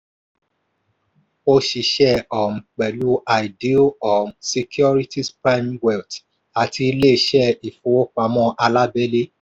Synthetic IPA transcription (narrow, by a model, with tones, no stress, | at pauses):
o˧ʃi˨ʃɛ˦ɔ˨m̩˨k͡pɛ˨lu˦a˨i˨di˦o˦ɔ˨mse˧kʰjɔ˦ɾi˦tʰi˦spɾa˦jmwɛ˨lt | a˨ti˧i˧le˦˧˦ʃɛ˦˨i˨fu˨wo˦k͡pa˧˨mɔ̃˦˨ʔa˧la˦bɛ˦le˦